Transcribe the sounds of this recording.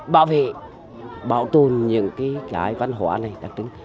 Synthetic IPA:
ɓa̰ː˧˨wvḛ˧˨ | ɓaː˧˨wt̪o˨˩nɲɨ̰˧˥ŋkaː˨˦jkaː˨˦jva˧˦nɦwa̰ː˧˩na˨˩jt̪a˧˥k̚tɨ˨˦ŋ

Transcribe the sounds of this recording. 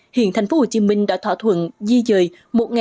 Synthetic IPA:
hḭ˧˨ənt̪a˨˩ŋ̟fo˧˨˦ho˨˩wt͡ɕi˨˧mï˧ŋ̟ɗa̰ː˧˥t̪waː˧˥˩t̪ʰwə̰˧˨nzi˧zəː˨˩j | mo˨˩t̚ŋ˨

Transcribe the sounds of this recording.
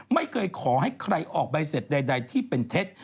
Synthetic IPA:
ma˥˩jkʰɤː˧jkʰɔː˩˦ɦa˥˩jkʰɾa˧jʔɔː˨˩k̚ba˧jse˨˩t̪̚da˧jda˧jt̪ʰiː˥˩pe˧nt̪ʰe˦˥t̪̚

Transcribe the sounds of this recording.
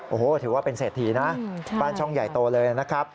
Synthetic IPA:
ʔoː˨˩˦t̪ʰɯː˩˦waː˥˩pe˧nseː˨˩t̪ʰːi˧˩na˦˥ʔbaː˥˩nt͡ɕʰɔ˥˩ŋja˨˩jt̪oː˧lɤː˧ja˨˩na˦˥kʰɾa˦˥p̚

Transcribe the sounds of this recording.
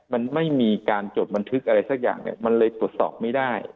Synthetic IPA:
ma˧nma˥˩jmiː˧kaː˧nt͡ɕoː˨˩t̪̚ba˧nt̪ʰɯ˦˥k̚ʔa˧ɾa˧jsa˨˩k̚ja̰ː˨˩ŋnḭ˧˩ma˧nlɤː˧jt̪u˨˩ət̪̚sɔ̰ː˨˩p̚ma˥˩jdaː˥˩j

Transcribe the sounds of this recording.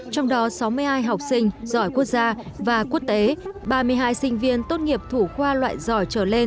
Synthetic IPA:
t͡ɕɔ˧wŋ͡mɗɔ˨˦sa˨˦wmɨ˧əjɦaː˧jɦa˨˩wk͡p̚sï˧ŋ̟zɔ˧˩jku˦˥ək̚zaː˧vaː˨˩ku˦˥ək̚t̪e˨˦ɓaː˨˩mɨ˨˩əjɦaː˧jsï˧ŋ̟vḭ˧ənt̪o˧nŋi˨˩əp̚t̪ʰu˧˩xwaː˧lwa̰ː˧˨jzɔ˧˩jt͡ɕəː˧˩le˧n

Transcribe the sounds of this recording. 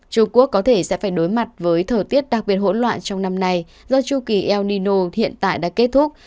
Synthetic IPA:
t͡ɕʊ˧ŋ͡mku˦˥əkːɔ˨˦t̪ʰe˧˩sɛ̰˧˥faː˧˩jɗo˨˦jma˨˩t̚vəː˨˦jt̪ʰəː˨˩jt̪i˦˥ət̚ɗa˨˩k̚ɓi˨˩ət̚ho̰˧˥nlwa̰ː˧˨nt͡ɕɔ˧wŋ͡mna˧mna˧j | zɔ˧t͡ɕu˧ki˧˩ʔɛ˧wni˧no˧hḭ˧˨ənt̪a̰ː˧˨jɗa̰ː˧˥ke˦˥t̚t̪ʰʊ˦˥k͡p̚

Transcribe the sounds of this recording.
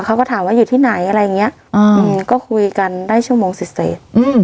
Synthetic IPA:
kʰa˧˥wkːt̪ʰːwaː˧˥˩juː˨˩t̪ʰiː˥˩na˩˦jʔa˧ɾa˧ja˨ŋi˦˥ɐ˨ʔʔa˧ʔɯː˧kɔː˥˩kʰu˧jka˧ndaː˥˩jt͡ɕʰu˥˩ɐmoː˧ŋsi˨˩sḛː˨˩˦t̚ʔɯː˧m

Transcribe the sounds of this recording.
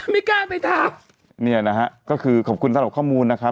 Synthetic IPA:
miː˧˥kaː˥˩npa˧jt̪ʰaː˧˩m | ni˥˩ɐna˦˥ɦa˦˥ʔkɔː˥˩kʰɯː˧kʰɔ˨˩p̚kʰu˧nsa˥˩˨ɾa˨˩kʰɔː˥˩muː˧nːa˦˥kʰɾa˦˥

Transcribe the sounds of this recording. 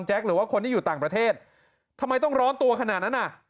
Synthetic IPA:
ŋt͡ɕɛ˦˥k̚ɾɯː˩˦waː˥˩kʰo˧nt̪ʰiː˥juː˨˩t̪aː˨˩ŋpɾa˧t̪ʰeː˥˩t̪̚ | t̪ʰːa˧mːa˧jt̪ɔ˥˩ŋɾɔː˦˥nt̪u˧ɐkʰa˧naː˨˩t̪na˦˥nʔa˨˩ʔ

